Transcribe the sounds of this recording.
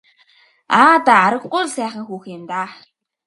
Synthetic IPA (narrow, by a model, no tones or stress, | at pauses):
aːt̪aaɾə̆ɣɢʊjɮsæːχə̆ŋxuːxɪmt̪aː